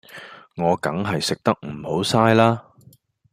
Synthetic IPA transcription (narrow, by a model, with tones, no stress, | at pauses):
ŋɔː˨˧kɐ̰˨˥ŋɦɐ˨jsɪ˨k̚t̪ɐ˥k̚m̩˨˩ho˨˥wsaː˥jlaː˥